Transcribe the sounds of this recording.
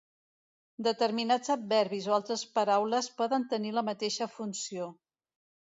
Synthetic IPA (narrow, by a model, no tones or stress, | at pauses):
d̪ət̪əɾminad͡zəb̚bɛɾβizoalˠt̪ɾəspəɾawləspɔðənt̪əniləmət̪eʃəfunsio